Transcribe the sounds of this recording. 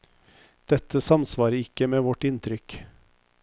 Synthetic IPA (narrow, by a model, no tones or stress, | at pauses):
d̪̥ɛt̪əsɑmsʋɑːɾəɪkəmeːʋɔʈɪnt̪ʰɾʏk